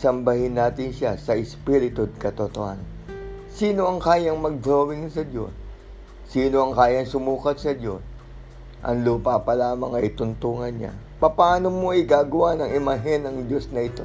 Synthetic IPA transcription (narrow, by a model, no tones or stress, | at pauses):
sɐmbɐhɪnːaːt̪ɪnʃasɐʔɪspiɾɪt̪ʊd̪̚kɐt̪ot̪oha̰n | siːno̞ʔɐŋkaːjɐŋmɐɡ̚d̪ɾowɪŋsɐd̪jo̞̰sː | iːno̞ɐŋkaːjɐŋsʊmuːkɐt̪̚sɐd̪jo̞s | ʔɐ̰ŋluːpapɐlaːmɐŋɐjt̪ʊnt̪uːŋɐnɲa̰ | pɐpɐaːnomo̞ʔɪɡaːɡɐwanɐŋɪmɐɦɛnɐŋd̪jo̞snɐʔɪt̪o̞